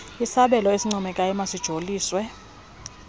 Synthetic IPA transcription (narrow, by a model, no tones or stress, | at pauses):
isaɓɛlɔesiŋ͡ǀɔmɛkʼajɛmasid̥ʒ̥ʱoliːswɛ